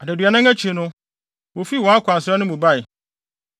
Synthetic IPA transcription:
a˨dæ˨dɥa˨nã˦ŋæ˦t͡ɕʰi˨nʊ̃˦ | wo˨fi˦˨wɔ̃˦a˦kʷã˨n˨sɛ˦nʊ̃˦mũ˨ba˦˨ɪ˨

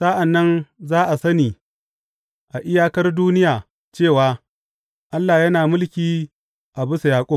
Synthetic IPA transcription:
sa˦ʔa˨nːɐ˦nzaː˦ʔa˨sɐ˦niː˨ | ʔa˨ʔɪ˦jaː˦kɐ˦rduː˦nɪ˦jaː˨ | t͡ʃeː˦˨waː˦ | ʔa˦lːa˨jɐ˦naː˨mʊ˦lkʲiː˦ | ʔa˨bʊ˦sa˨jaː˨kʷʼʊ˦m

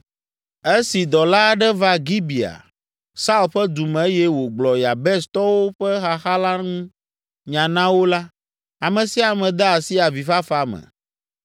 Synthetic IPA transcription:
e˦si˨d̪ɔ˨la˦ɖɛ˦va˦ɡi˦bi˨a̰˨ | sa˦u˦lɸɛ˦d̪u˨mɛ̃˨˦jɛ˦wo˨ɡ͡blɔ˨ja˨bɛ˦st̪ɔ˦wo˦ɸɛ˦xa˦xa˦la˦nũ˦ | ɲã˨nã˦wo˦la˦ | a˨mɛ̃˨si˦a˨mɛ̃˨d̪ɛ˦a˨si˦a˨vi˨fa˦fa˨mɛ̰̃˨

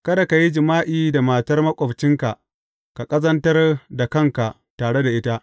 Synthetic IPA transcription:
kɐ˦da˨ka˨ji˦d͡ʒɪ˨maː˦ʔiː˦da˨maː˨tɐ˦rmɐ˦kʷʼɔ˨bt͡ʃɪ˦ŋka˨ʔ | ka˨kʼɐ˦zɐ˦ntɐ˦rda˨kɐ˦ŋka˨ʔ | taː˨ɽe˦da˨ʔɪ˦ta˦ʔ

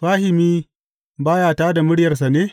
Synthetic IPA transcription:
ɸaː˦hɪ˨miː˦ | baː˦jaː˨taː˦da˨mʊ˦ɽjɐ˨rs̬a˨neː˦

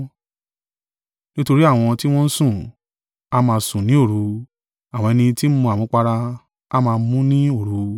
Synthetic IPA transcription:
nĩ˦to˧ɾi˦a˦˨w̃ɔ̃˧ti˦w̃ɔ̃˦n̩˦sũ˦˨ | a˦mãː˧sũ˨nĩ˨˦o˦˨ɾu˨˧ | a˨w̃ɔ̃˧ɛ˧nĩ˧ti˦m̩˦mũ˧a˨mũ˨˦k͡pa˧ɾa˧ | a˦mãː˧˦mũ˦nĩ˦o˦˨ɾu˨˦

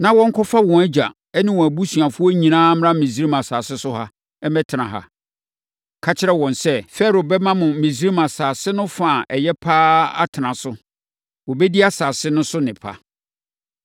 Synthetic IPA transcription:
nã˨wɔ̃˦ŋ̩˦kʰɔ˦fa˦wɔ̃˨æ˦d͡ʑa̰˨ | ɛ˦nɪ̃˦wɔ̃˨æ˨bu˦sɥa˨fʊ˦ɔ˦ɲĩ˨nãː˦m˦ɾã˦mĩ˨s̬i˦ɾi˦mã˨saː˨sɪ˦sʊ˦ha˦ | ɛ˦mɛ˦tʰɪ˨nã˨ɦa̰˨ | kʰa˦t͡ɕʰɪ˦ɾɛ˦wɔ̃˨nsɛ˦fɛ˦ɾo˨bɛ˦mã˦mʊ̃˨mĩ˨s̬i˦ɾi˦mã˨saː˨sɪ˦nʊ̃˦fa˨ʔɛ˨jɛ˦pʰaː˦a̰˦tʰɪ˨nã˨sʊ˦ | wɔ˨bɛ˦di˦a˦saː˨sɪ˦nʊ̃˦sʊ˦nɪ̃˨pʰa̰˦

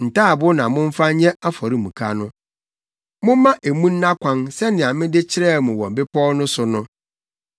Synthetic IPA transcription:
n̩˨taː˦˨bʊ˦nã˨mʊ̃˦ɱ̩˦fa˦ɲɛ̃˦a˦fɔ˨ɾi˦mũ˨kʰa˦nʊ̃˦ | mʊ̃˦m˦mã˦ʔe˨mũ˦nː˦ã˦kʷʰã˦nsɛ˦nɪ̃˨ã˨mɪ̃˦dɪ˦t͡ɕʰɪ˦ɾɛ˦˨mʊ̃˨wɔ̃˨m̩˨bɪ˦pʰɔ˦nʊ̃˦sʊ˨nʊ̃˦

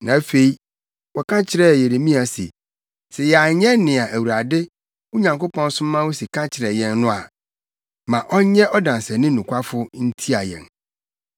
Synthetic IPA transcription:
nã˨˦fe˨i˦ | wɔ˨kʰã˦t͡ɕʰɪ˦ɾɛ˦˨je˨ɾe˨mĩ˦a˨sḛ˨ | sɛ˨ja˨ɲɛ̃˦nɪ̃˨a˨ʔæ˨wu˨ɾa˨dɪ˦ | ʊ˦ɲã˨ŋko˦pʰɔ̃˦n˦sʊ̃˦mː˦ã˦wo˦si˨kʰã˦t͡ɕʰɪ˨ɾɛ˨jɛ̃˨nːʊ̃˦a˨ | mã˨ʔɔ˦ɲɛ̃˦ʔɔ˦dã˨n˨sɛ˨nɪ̃˦nũ˨kʷʰa˦fʊ˦n̩˦tʰi˦a˨jɛ̰̃˨n

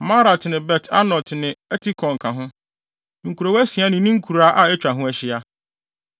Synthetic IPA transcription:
ma˦ɾa˨tʰɪ˨nɪ̃˨bɛ˨tʰa̰˦nɔ˨ltʰnɪ̃˨ɛ˦tʰi˦kʰɔ̃˨ŋ̩˨kʰã˨ɦʊ̃˦ | ŋ̩˨kʰu˨ɾo˨wɛ˦si˨a˦nɪ̃˨nĩ˦ŋ̩˦kʰu˨ɾa˦ʔa˦ɛ˦t͡ɕᶣa˨ɦʊ̃˦ɛ˦ɕɪ˦a˦

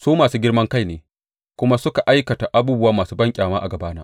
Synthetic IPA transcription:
suː˦maː˨suː˦ɡʲɪ˦ɽmɐ˦ŋka˦jneː˨ | kʷʊ˦ma˦sʊ˦ka˨ʔa˦jkɐ˨ta˨ʔa˦buː˦bʊ˦waː˦maː˨suː˦bɐ˦ŋkʲʼaː˨maː˦ʔa˨ɡɐ˨baː˦naː˦

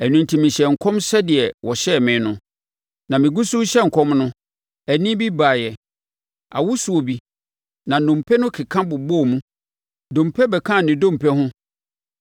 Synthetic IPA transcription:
ɛ˨nũ˨ntʰi˨mĩ˨ɕɛ˨ŋ̩˨kʰɔ̃˦msɛ˦dɪ˨ɛ˨wɔ˨ɕɛ˦˨mɪ̃˨˦nʊ̃˨ | nã˨mɪ̃˨ɡu˦su˦ɕɛ˦ŋ̩˨kʰɔ̃˦mnʊ̃˦ | æ˨nĩ˦bi˦ba˨jɛ˨ | a̰˨wʊ˦su˨o˨bi˨ | nã˨nʊ̃˨mpʰɛ˦nʊ̃˦kʰɪ˨kʰã˦bʊ˨bɔ˦˨mũ˦ | dõ˨mpʰɛ˦bɛ˨kʰã˦˨nɪ̃˨dõ˦m̩˨pʰɛ˦hʊ̃˦

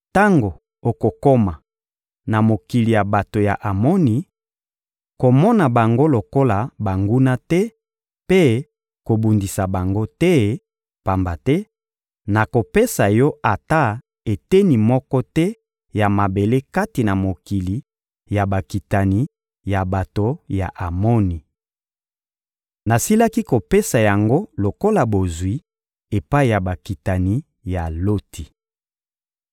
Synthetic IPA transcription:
ta˦ŋɡo˨ | o˨ko˨ko˦ma˨ | na˨mo˨ki˨li˨ja˨ba˨to˨ja̰˨ʔa˨mɔ˦ni˨˦ | ko˨mɔ˦na˨ba˨ŋɡo˦lo˨ko˦la˨ba˨ŋɡu˦na˦tɛ˦ | pe˦ | ko˨bu˨ndi˨sa˨ba˨ŋɡo˦tɛ˦ | pa˨mba˨tɛ˦ | na˨ko˨pe˦sa˨jɔ˦a˨ta˦ | e˨tɛ˦ni˨mɔ˦kɔ˦tɛ˦ | ja˨ma˨be˨le˦ka˦ti˨na˨mo˨ki˨li˨˦ | ja˨ba˨ki˨ta˨ni˨˦ | ja˨ba˨to˨ja˨ʔa˨mo˦ni˨ | na˨si˦la˦ki˦ko˨pe˦sa˨ja˨ŋɡo˦lo˨ko˦la˨bo˨zwi˦ | e˨pa˦i˨ja˨ba˨ki˨ta˨ni˦ | ja˨lo˦tʰi˨

